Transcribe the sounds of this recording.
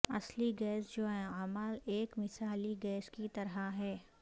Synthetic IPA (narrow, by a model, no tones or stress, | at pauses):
ɐsliɡɛːsd͡ʒoːɦɛaməleːkmɪsaːliɡɛːskit̪ɐɾɦaɦɛː